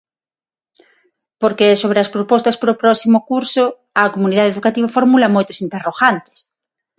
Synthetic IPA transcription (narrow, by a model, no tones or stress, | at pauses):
poɾkesoβ̞ɾeaspɾopɔst̪aspoɾopɾɔsimokuɾso | akomuniðaðeðukat̪iβ̞afoɾmulamojt̪osint̪eroɣant̪e̥s